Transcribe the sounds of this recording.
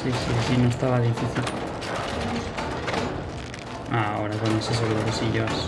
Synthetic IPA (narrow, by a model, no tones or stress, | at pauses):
sisisinõest̪aβaðifiθil | aoɾakonoses̬eɣuɾokosiʝos